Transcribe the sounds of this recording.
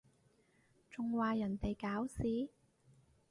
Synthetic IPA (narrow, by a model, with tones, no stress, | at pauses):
t͡ʃʊ˨˧ŋwaː˨˧jɐ˨˩nt̪e˨jkaː˨˥wsiː˨˥